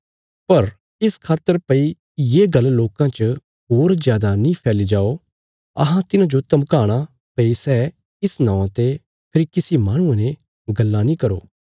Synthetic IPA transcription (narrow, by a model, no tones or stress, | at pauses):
pɐɾ | ɪskʰaːt̪ːəɾpɐi | jeːɡɐlːloːkãt͡ʃə | ɦoːɾzjaːd̪anĩpʰɛːlid͡ʒaːo | ɐ̰ɦãt̪ɪnãd͡ʒot̪ɐmkaːɽ̃a | pɐisɛː | ɪsnãːãt̪e | pʰɪɾikɪsimaːɽ̃ʊ̃ãnẽ | ɡɐlːanĩkɐɾo̰ː